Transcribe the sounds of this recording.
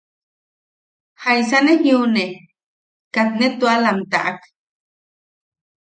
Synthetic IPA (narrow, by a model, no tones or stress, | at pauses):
hajsanehjune | kat̪net̪ualamt̪a̰ʔak